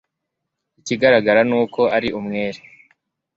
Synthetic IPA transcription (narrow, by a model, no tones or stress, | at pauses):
iciɡaɾaɡaɾanuːko̞ʔaɾiʔumŋeːɾe